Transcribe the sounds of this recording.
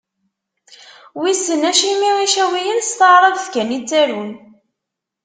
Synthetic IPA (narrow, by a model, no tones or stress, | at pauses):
wisənæʃimiʁiʃæwijənst̪əʕɾˤəðθkænit͡sːæɾun